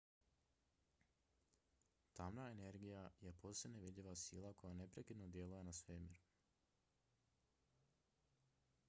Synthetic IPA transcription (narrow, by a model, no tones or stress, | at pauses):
t̪amnaene̞ɾɡijaje̞poseneʋid̪ʎʲiʋasḭːlˠako̞jane̞pɾekid̪nod̪je̞lujenasʋemiɾu